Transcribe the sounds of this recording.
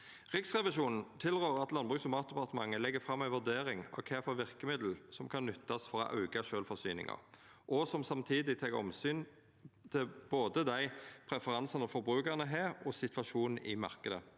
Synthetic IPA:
ʁɪksʁɛʋɪʃuːnn̩t̪ʰɪlʁøːʁɑt̪lɑnbʁʉːksɔmɑːt̪̚d̪ɛpɑʁt̪əmɑŋːəlɛɡːəfʁɑmːæɪʋʉd̪eːɾɪŋɑ̰kʰeːfɔʋɪʁkəmɪd̪l̩sɔmkʰɑnːʏt̪ːɑsfɔɾɔ̰ʔɑ̰ʉɡɑʃøːlfɔsyːnɪ̰ŋɑ̰ʁʔɔsɔmsɑmt̪ʰiːd̪ɪt̪ʰɑɡəɔ̰msyːn | t̪ʰɪlb̥oːd̪əd̪æɪpʰʁɛfəʁɑnsənɔfɔɾbʁʉːkæʁnəɦeːʁɔsɪt̪ʰʋɑʃuːnn̩ʔɪmɑ̰ʁkəd̪ə

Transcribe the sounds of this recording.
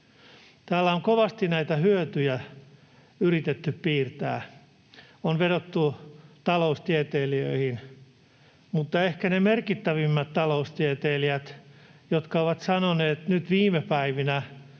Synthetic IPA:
t̪æːlːæoŋkoʋɑst̪inæit̪æhyøt̪yjæ | yrit̪et̪ːyppiːrt̪æ̰ː | onʋedot̪ːut̪ɑloust̪iet̪eːliø̰ihin | mut̪ːɑehkænemerkit̪ːæʋimːæt̪t̪ɑloust̪iet̪eːliæt̪jot̪kɑoʋɑt̪sɑnoneːt̪nyt̪ʋiːmepæiʋinæ

